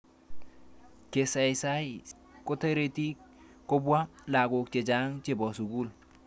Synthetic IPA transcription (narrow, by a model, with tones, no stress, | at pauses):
ke˨sa˨jsa˦j | ko˦te˦ɾe˦˨ti˦ | ko˦bwa˦la˨kʊ˨k̚t͡ʃe˨t͡ʃa˦ŋt͡ʃe˨bɔ˨su˨ku˦˨l